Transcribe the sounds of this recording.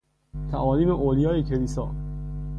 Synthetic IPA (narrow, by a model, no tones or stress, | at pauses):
t̪ʰæʔɒːliːmeʔoːlijɒːjecʰeliːsɒ̰ː